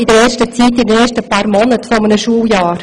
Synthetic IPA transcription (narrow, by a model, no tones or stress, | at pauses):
idəɾɛːʃtət͡siːtːidɛːʃtəpɑːɾmɔnətfɔmənəʃuːljaːɾ